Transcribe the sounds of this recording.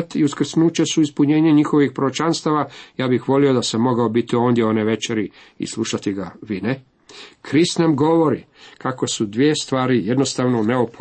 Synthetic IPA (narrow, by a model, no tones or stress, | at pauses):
t̪iuskr̩snuːt͡ɕesuispuɲe̞ːɲeɲixo̞ʋixpɾoɾot͡ʃanst̪aʋajaːbixʋo̞lio̞d̪asamːo̞ɡaobit̪io̞ːnd̪jeo̞neʋe̞t͡ʃeɾi | ḭslˠuʃat̪iɡaʋine | kʰɾist̪namɡo̞ʋo̞ɾikako̞sud̪ʋie̞st̪ʋaːɾije̞d̪no̞st̪aʋnoneop